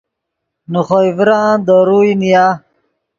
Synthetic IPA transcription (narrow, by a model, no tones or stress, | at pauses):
nuχoivɾad̪əɾuinija